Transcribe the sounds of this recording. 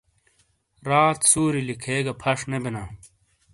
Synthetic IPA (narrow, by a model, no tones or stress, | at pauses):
ɾaːt̪suːɾilikʰeːɡɐpʰɐʂnebena